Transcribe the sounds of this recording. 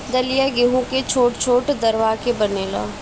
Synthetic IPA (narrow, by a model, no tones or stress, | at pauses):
d̪ɐlijaɡɪɦũket͡ʃʰoːʈt͡ʃʰoːʈd̪ɐɾʋaːkebɐneːla̰ː